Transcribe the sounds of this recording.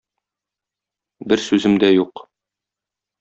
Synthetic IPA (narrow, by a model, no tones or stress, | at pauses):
bɘɾsʉzɘ̆md̪æjuq